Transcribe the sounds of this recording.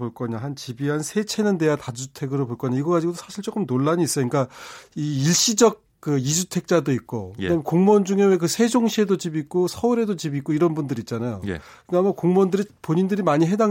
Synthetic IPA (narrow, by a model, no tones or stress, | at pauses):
poɭk͈ʌɲaɦant͡ɕibiɦansʰe̞t͡ɕʰe̞nɯnde̞jatad͡ʑʰutʰe̞ɡɯɾopoɭk͈ʌɲaiɡʌɡad͡ʑiɡot̬͈ʰosʰaɕʰiɭt͡ɕ͈ok͈ɯmnoɭːaɲiːs͈ʌɲik͈aiːɭɕ͈id͡ʑʌk̚ | k͈ɯid͡ʑutʰe̞k̚t͡ɕ͈adoik̚k͈o̰kɯdamekoŋmʌnd͡ʑuŋe̞wekɯsʰe̞d͡ʑoŋɕʰie̞dot͡ɕibik̚k͈osʰʌuɾe̞dot͡ɕibik͈oiɾʌnbundɯɾit̚t͡ɕ͈anajo̰j̰kɯɡamakoŋmʌndɯɾipoɲindɯɾimaɲiɦe̞da